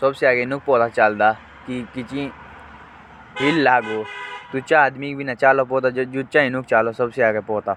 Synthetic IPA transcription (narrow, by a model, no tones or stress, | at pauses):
sɐbseaːɡenʊk̚ʰpoːt̪at͡ʃaːld̪aː | kikit͡ʃĩ | ɦilːaːɡoːt̪ut͡ʃaːd̪mikbʱinat͡ʃaːlopoːt̪ad͡ʒut͡ʃãinʊkʰt͡ʃaːlosɐbseaːɡepoːt̪aː